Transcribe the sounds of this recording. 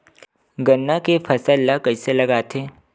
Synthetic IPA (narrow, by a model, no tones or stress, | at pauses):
ɡɐnːakefʰɐsəlːakɐɪselɐɡaːt̪eː